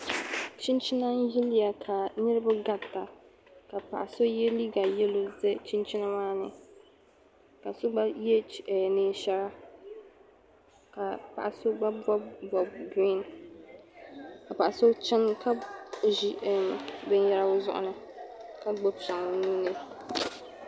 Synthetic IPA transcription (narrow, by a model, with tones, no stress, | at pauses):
t͡ʃi˦nt͡ʃɪ˦na˦n˦ji˦lɪ˦ja˨kʰa˨nɪ˦ɾɨ˦ba˦ɡa˨tːa˨ | ka˨pa˨ʔa˨so˦jɛ˦li˦ɡa˨jɛ˦lo˦zɛ˦t͡ʃi˦nt͡ʃi˦na˦maː˦nɨ˨ | ka˨so˦ɡ͡ba˦jɛ˦ɛ˨neː˦ʃɛ˦ɾa˦ | ka˨pa˨ʔa˨so˦ɡ͡ba˦bɔ˦bbɔ˨b̚ɡɾi˦˨n | ka˨pa˨ʔa˨so˦t͡ʃɪ˦nkʰa˦˨ʒi˦ɛ˨bɛ˦njɛ˦ɾa˦wʊ˦zʊ̰˦ʔʊ̰˨nɨ˨ | ka˦ɡ͡bo˦bʃa˨ŋ˨ni˦nɨ˦